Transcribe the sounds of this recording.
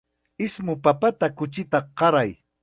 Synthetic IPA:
ɪsmʊpapat̪akʊt͡ʃɪt̪aqɑɾaj

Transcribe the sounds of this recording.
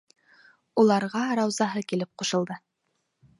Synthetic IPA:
ulˠɑɾʁɑɾɑwzɑɦɤkilɘp̚quʃɤ̆lˠd̪ɤ

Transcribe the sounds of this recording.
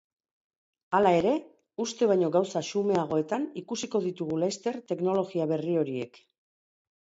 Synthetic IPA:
alae̞ɾe̞ | ust̪e̞βajɲo̞ɣawsaʃume̞aɣ̞o̞e̞t̪anikusiko̞ðit̪uɣ̞ulast̪e̞ɾt̪e̞kno̞lo̞ɣiaβe̞rio̞ɾie̞̰k

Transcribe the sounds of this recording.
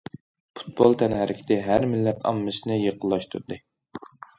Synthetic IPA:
pʰu̥t̪̚bolˠt̪ʰɛnhæɾʔɪkʲʰɪ̥t̪ʰɪɦæɾmɪlːɛt̪ʰɑ̰mːɨsɨnɨjeqʰəlˠːɑʃt̪ʰṵɾɨd̪ɨ

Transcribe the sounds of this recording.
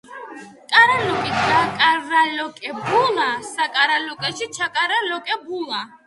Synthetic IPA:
kʼaɾalɔkʼit̪ʰakʼaɾːalɔkʼɛbulasakʼaɾalɔkʼɛʃit͡ʃʰakʼaɾalɔkʼɛbula

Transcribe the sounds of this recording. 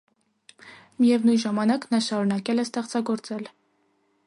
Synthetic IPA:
mijɛvnujnʒɑmɑnɑknɑʃɑɾunɑkɛlɛst̪ɛχt͡sɑɡɔɾt͡sɛl

